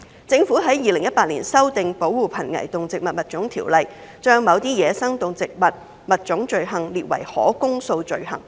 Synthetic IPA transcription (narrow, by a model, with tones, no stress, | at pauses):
t͡sɪ˨˧ŋfuː˨˥ɦɐ˨˥jːiː˨˧lɪ˨˩ŋjɐ˥t̚paː˧t̚niː˨˩nsɐ˥wt̪ɪ˨ŋpo˨˥wːuː˨˧pʰɐ˨˩nŋɐ̰˨˩jt̪ʊ˨ŋt͡sɪ˨k̚mɐ˨t̚mɐ˨t̚t͡sʊ˨˥ŋt̪ʰiː˨˩wlɐ˨jt͡ʃœː˥ŋmɐ˨˧wt̪iː˥jɛː˨˧sɐ˥ŋt̪ʊ˨ŋt͡sɪ˨k̚mɐ˨t̚ | mɐ˨t̚t͡sʊ˨˥ŋt͡ʃɵ˨˧ɥɦɐ˨˩ŋliː˨t̚wɐ̰˨˩jhɔ̰ː˨˥kʊ˥ŋso˧wt͡ʃɵ˨˧ɥhɐ̰˨˩ŋ